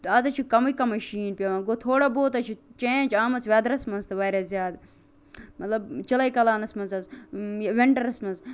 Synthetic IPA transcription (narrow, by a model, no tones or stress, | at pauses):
ɐzɐt͡ʃʰikɐmɐkɐmɐʃiːnpʲɐʋãːɡot̪ʰoːɽaboːt̪ɐt͡ʃʰit͡ʃeːnʲd͡ʒaːmɐsʋʲjaːd̪ɐɾɐsmɐnzt̪ʰɨʋaːɾazjaːd̪ | mɐt̪lɐbt͡ʃɐlɐikɐlaːnɐsmɐnzɐzʋɪɳʈɐɾɐsmɐnz